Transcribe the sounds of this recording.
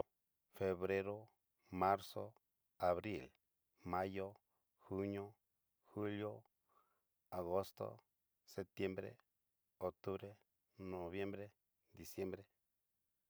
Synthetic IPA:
fe˨βɾe˦ɾo˦ | ma˦ɾso˦ | a˨βɾi˦˨l | ma˦jo˦ | xu˦ɲo˦ | xu˦ljo˦ | a˨ɣo˦st̪o̰˦ | se˨t̪je˦mbɾḛ˦ | o˨k̚t̪u˦βɾe˦ | no˨βje˦mbɾe˦ | d̪i˨sje˦mbɾe˦

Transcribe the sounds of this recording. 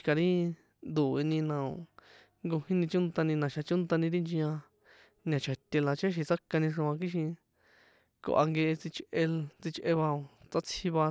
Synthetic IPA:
ka˨˧ɾĩ˦ | nd̪u˨e˧nĩ˧nã˨o̰˨ | ŋɡo˧hĩ˦nĩ˧t͡ʃũ˦nt̪a˧nĩ˧nã˨ʃa˧t͡ʃũ˦nt̪a˧nĩ˧ɾi˦nd͡ʒĩ˧ã˧ | nã˨˧t͡ʃʰa˨t̪ʲe˧la˨t͡ʃe˦ʃ̬i˧t͡sa˦ka˧nĩ˧ʂõ˧ã˧k̬i˦ʃ̬ĩ˧ | ko̰˧ʔa̰˧ŋɡe˧ʔe˧t͡si˧t͡ʃʔe˧t͡si˧t͡ʃʔe˧βa˧o˧˨t͡sa˦t͡sʰi˧βa˧

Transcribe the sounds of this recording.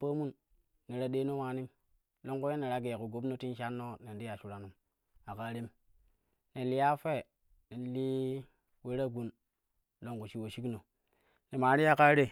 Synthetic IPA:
pa˦mu˦nː | e˨ɾa˨ɗe˦no˦waː˦ni˦m | lo˦ŋku˦je˦ne˨ɾa˦ɡe˨ku˨ɡo˨˦bno˦ti˦n˦ʃa˦nːo˦ne˨n˦di˦ja˨ʃu˨ɾa˨nu˨˦m | a˨ka˦ɾi˦m | ne˨li˦ja˦fe˦˨ | ne˨li˦ | we˦ɾa˦ɡu˦˨n | lo˦ŋku˨ʃi˦wo˨ʃi˦kno˨ | ne˨ma˨˦ɾi˦ja˦ka˦ɾe˦

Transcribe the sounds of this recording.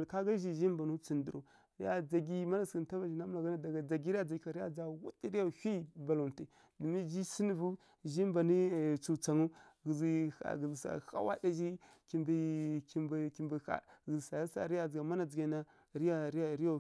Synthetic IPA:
ka˦ɡa˦ʒi˨ʒi˦mba˨nu˦t͡si˨ndi˨ɾo̰˨ | ɾi˦a˦d͡za˨ɡi˦ma˦na˨sɡi˨n˨ta˦va˨ʒi˨na˦m˦a˨ɡa˦na˦da˨ɡa˨d͡za˨ɡi˦ɾi˦a˦d͡za˨ɡi˨ka˨ɾja˨d͡zɡa˨wṵ˦ti˦ɾi˦ja˦˨hi˦ba˨lo˨n˨ti˨ | du˨mi˦d͡ʒi˦si˦ni˨vu˦ | ʒi˦mba˨ni˦˨t͡su˨t͡sa˨ŋu˦ɡi˨zi˨a̰˨ɡi˨zi˨sa̰˨xa̰˦wa̰˦da˦ʒi˦ | ki˨mbi˨ki˨mbki˨mbi˨xa̰˨ɣi˨zi˨sa˨a˦sa̰˨ɾi˦ja˨d͡zɡa˨ma˦na˨d͡zi˨ɡa˨na˦ | ɾi˦ja˦ɾi˦a˦˨ɾi˦ja˦

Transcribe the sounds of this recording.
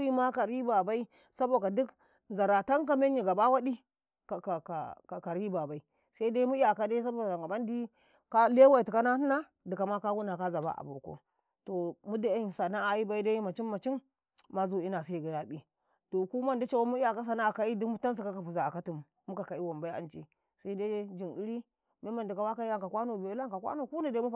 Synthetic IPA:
ji˦ma˦ka˨ɾi˦ba˨ba˦i˦ | sa˦bo˨a˨du˦k | za˨ɾa˨ta˦ŋk̬a˦me˦n˦i˨ɡa˨ba˦wa˦di˦ | ka˨ka˨ka˨a˨ka˨ɾi˦ba˨ba˨i˦ | sa˦i˦da˦i˦mu˦i˦a˨ka˦da˦sa˦bo˦˨a˨ŋɡa˨ba˦n˦di˦ | ka˦le˦wa˦i˨ti˨ka˦na˦n˦na˦ | di˨ka˨ma˦ka˦wu˦na˨ka˦za˨ba̰˦ʔa̰˨bṵ˨ɾko̰˦ | to˨mu˦da˨a˦ji˨nsa˨na˦a˨ji˦ba˦i˦da˦ji˦ma˨t͡ʃi˦mma˨t͡ʃi˦nː | a˦zo˦i˦na˨s̬a˦i˨ɡa˨ɾa˦bi˦ | to˨ku˦ma˦ndi˦t͡ʃa˦wa˦mu˦i˦ja˨ka˦s̬a˨na˦a˨ka˨i˦di˦mu˦ta˦n˦s̬i˨ka˦ka˨pu˨za˨a˨ka˦tu˨mː˨u˦ka˨ka˨i˦wa˨mba˦i˦a̰˨nt͡ʃi˦ | sa˦i˦da˦d͡ʒi˨ni˦ɾi˦ | me˦ma˨ndi˨ka˨wa˦ka˦i˦a˨ŋka˨kʷa˦no˨bla˦ŋ˨ka˨kʷa̰˦no˨ku˦na˨da˦mu˦˨

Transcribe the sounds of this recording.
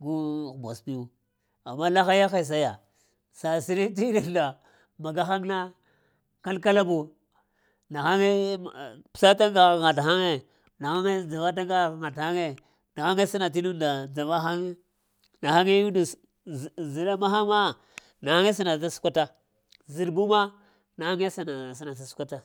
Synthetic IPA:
ɡu˦˨ba˨spi˦u˦ | a˨mːa˦la˦xa˦ja˦xa˨s̬a˦ja˨ | sa˨si˨ɾi˦t̬i˦da˨da˨ | ma˨ɡa˦xa˦ŋna˦ | ka˦lka˦la˦bu˨ | na˨xa˦ŋe˦ | psa˦ta˦ŋ˦ɡa˨ŋa˨ta˦ŋe˦ | na˨ha˦ŋe˦d͡ʒa˨va˦t̬a˦ŋɡa˦˨ŋa˨tha˦ŋe˦ | na˨ha˦ŋe˦si˦na˨t̬i˦nu˦nda˨d͡za˨va˦ɦa˦ŋe˦ | na˨ha˦ŋe˦ju˦du˨ | zi˨ɾa˦ma˦ɦa˦ma˦ | na˨ha˦ŋe˦s̬i˦na˨ta˦su̥˦kʷa˦ta˦ | zi˨ɾbu˦ma˦ | na˨ha˦ŋe˦sa˨na˨s̬i˦na˨s̬a˨su̥˦kʷa˦ta˦

